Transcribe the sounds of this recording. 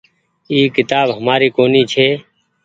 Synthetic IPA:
iːkɪt̪aːbɦəmaːɾiːkoːniːt͡ʃʰeː

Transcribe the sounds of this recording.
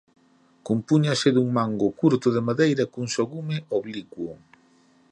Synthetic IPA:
kumpuɲasɪðuŋmaŋɡʊkuɾt̪ʊðɪmaðejɾɐkuŋsoɣumɪʔoβlikwʊ

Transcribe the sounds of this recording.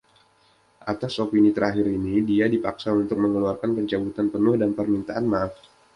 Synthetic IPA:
ʔat̪asopinit̪əɾaɦiɾinidiadipaksaunt̪ʊk̚məŋəluarkanpəɲt͡ʃabut̪anpənʊhdanpərmint̪aʔanmaːf

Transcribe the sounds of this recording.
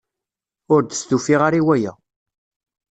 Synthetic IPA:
ʊɾd̪əst̪ufiʁaɾiwæjæ̰

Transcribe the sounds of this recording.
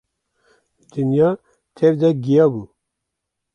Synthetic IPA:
d̪ɨnjɑː | t̪ʰɛvd̪ɛɡijɑːbuː

